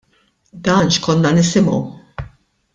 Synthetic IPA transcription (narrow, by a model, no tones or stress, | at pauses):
d̪ɐːnʃkɔnːɐnɪsɪmɔ̰w